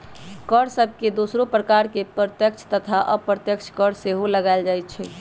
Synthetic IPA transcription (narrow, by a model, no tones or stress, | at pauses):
kəɽsəb̚ʱked̪oːsɾopɾəkaɾkepɾət̪jəkt͡ʃʰt̪ət̪ʰaʔəpɾət̪jəkt͡ʃʰkəɽseɦoləɡaɪld͡ʒaːjt̪̚t͡ʃʰɛ